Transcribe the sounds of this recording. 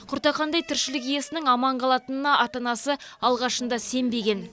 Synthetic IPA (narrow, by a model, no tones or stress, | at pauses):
qʰʊɾt̪ɑqɑnd̪ɑjt̪ʰɪɾʃɪlɪkije̞sɪnɪŋɑmɑɴqʰɑlˠɑt̪ənənɑʔɑt̪ɑnɑsəɑlˠʁɑʃənd̪ɑse̞mbe̞ɡʲe̞n